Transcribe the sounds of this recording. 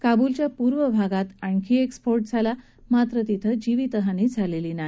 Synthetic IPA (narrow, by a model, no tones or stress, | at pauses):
kabult͡ɕjapuɾʋəbʱaɡat̪aɳkʰiekspoɾʈ̚d͡zʱala | mat̪ɾət̪it̪ʰəd͡ʑiʋiːt̪əɦaniːd͡zʱaleliːnaɦi